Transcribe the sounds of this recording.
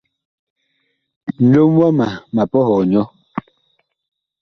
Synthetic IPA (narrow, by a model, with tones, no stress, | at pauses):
n̩˨lo˦mwa˦ma˨ma˨pɔ˦hɔ˨ɲɔ˦